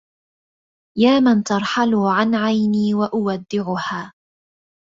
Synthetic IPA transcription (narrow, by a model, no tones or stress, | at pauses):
jaːmant̪ɑɾˤħalʊʕanʕajniːwaʔʊwad̪ːɪʕʊhaː